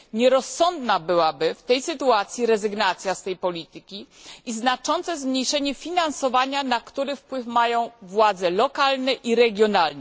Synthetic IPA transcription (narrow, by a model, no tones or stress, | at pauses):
ɲɛɾɔsːɔnd̪nabɘwabɘft̪ɛjsɘt̪uat̪sʲjiɾɛzɘɡnat̪sʲjast̪ɛjpɔlʲit̪ɘkʲiʔiznat͡ʂɔnt̪sɛzmɲejʂɛɲɛfʲinansɔvaɲanakt̪uɾɛfpwɘfmajɔ̃w̃vwad̪zɛlɔkalnɛʔiɾɛɡʲjɔnalnɛ